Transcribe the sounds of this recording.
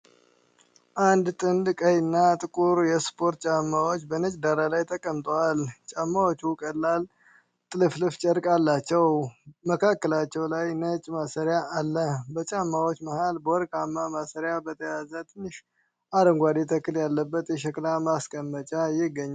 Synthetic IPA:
ʔand̪t̪ʼɨnd̪kʼəjɨnːat̪ʼɨkʼuɾjɛspʰo̞ɾt̪̚t͡ʃʼamːawot͡ʃːbənət͡ʃʼd̪aɾalajt̪ʰəkʼəmt̪ʼəwalt͡ʃʼamːawot͡ʃːukʼəlːal | t̪ʼɨlɨflɨft͡ʃʼəɾkʼalːat͡ʃːɛwməkʰakːəlat͡ʃːɛwlajnət͡ʃʼmasəɾjaʔːlːəhbət͡ʃʼamːawot͡ʃːməhalbəwɔɾkʼamːamasəɾjabət̪ʰəjazət̪ʰɨnːɨʃ | ʔaɾəŋɡʷad̪it̪ʰəkːɨljalːəbːət̪jɛʃ̬ɛklamaskʼəmːət͡ʃʼajɪɡːəɲːa

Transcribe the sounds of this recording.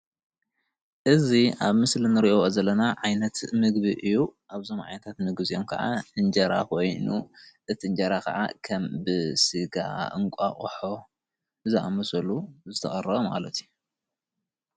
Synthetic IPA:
ʔɨziaβmɨslinɨɾiʔo̞ozɐlːɐnaʕajnɐt̪mɨɡβiʔɨjːuʔaβzo̞mʕa̰jnɐt̪ʰat̪mɨɡbɨzijomkʰɐʕaʔɨnd͡ʒɐɾa̰kʰojnuʔɨt̪ʰiɨnd͡ʒɐɾakʰɐ̰ʕa̰kʰɐmbɨsɨɡa̰ɨ̰ŋkʷʼa̰χʼħo̞ | ɨzaʔamɐsɐluzɨt̪ʰɐχʼɐrɐβoma̰lɐt̪ʰiju

